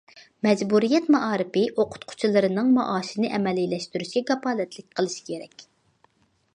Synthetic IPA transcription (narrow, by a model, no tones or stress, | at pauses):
mɛd͡ʒbuɾijɛt̪mɑʔɑːɾɨpɪʔoqʰʊ̥t̪qʰʊ̥t͡ʃʰilˠɨɾɨnɨŋmɑ̰ʔɑːʃinɨʔɛmɛlːilɛʃt̪yɾyʃkʲɛɡɑpɑːlˠɛt̪lɪk̚ʲqʰəlˠɨʃi̥kʲʰeɾɛ̰kʲ